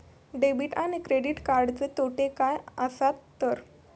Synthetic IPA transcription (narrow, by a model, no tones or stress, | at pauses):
ɖebiʈanikɾeɖiʈkaɾɖt̪et̪oʈekajasat̪ːəɾ